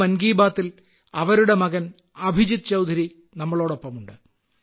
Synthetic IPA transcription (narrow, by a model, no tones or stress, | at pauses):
mɐnɡiːbaːt̪ːil | ɐʋɐɾuɽe̞mɐɣɐn | ɐbʱid͡ʑit̪̚t͡ɕɐwd̪ʱɐɾi | nɐmːɐɭo̞ːɽopːɐmuɳɖɨ